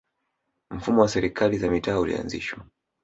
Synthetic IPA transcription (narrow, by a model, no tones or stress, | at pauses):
m̩fumɔwasɛɾikʰalizamitaːulḭa̰nzḭʃwa